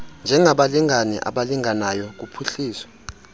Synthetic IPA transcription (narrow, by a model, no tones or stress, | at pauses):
nd͡ʒʱɛŋaɓaliŋanɛ̰ʔa̰ɓaliŋanajɔk̬upʰuɬiːswḁ